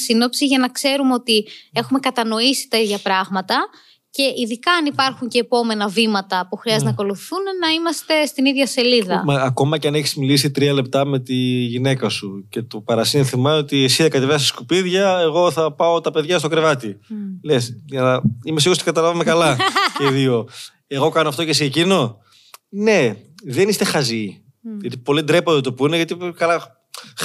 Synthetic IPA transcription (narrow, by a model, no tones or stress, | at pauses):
sino̞psiʝɐnɐkse̞ɾumeo̞t̪ie̞xume̞kɐt̪ɐno̞isi̥t̪ɐiðʝɐpɾɐɣmɐt̪ɐ | ce̞ʔiðikɐɐnipɐɾxuɲce̞ːpo̞me̞nɐvimɐt̪ɐpuxɾiɐzt̪nɐko̞luθiθunnɐimɐst̪e̞st̪iniðʝɐse̞liðɐ̰mɐːko̞mɐceɐneçizmilis̬it̪ɾiɐle̞p̚t̪ɐmet̪iʝine̞kɐsuce̞t̪opɐɾɐsinθimɐot̪iesiðɐkɐt̪evest̪i̥skupiðʝɐeɣo̞θɐpɐo̞t̪ɐpe̞ðʝɐst̪o̞kɾevɐt̪ilesʝɐnɐimesiɣost̪ikɐt̪ɐlɐvɐmekɐlɐceðio̞ | e̞ɣo̞kɐnoɐft̪o̞cesiːcino̞ | ne̞ðe̞nist̪e̞xɐzi | ʝɐt̪ipo̞lid̪ɾepoðot̪opuineʝɐt̪ikɐlɐ